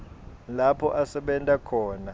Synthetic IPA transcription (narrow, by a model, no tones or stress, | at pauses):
lapʰɔʔasɛɓɛntʼakʰɔːna